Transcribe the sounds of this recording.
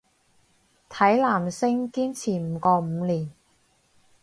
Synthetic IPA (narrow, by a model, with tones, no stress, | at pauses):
t̪ʰɐ˨˥jlaː˨˩msɪ˥ŋkiː˥nt͡sʰiː˨˩m̩˨˧˩kɔː˧m̩˨˧liː˨˩n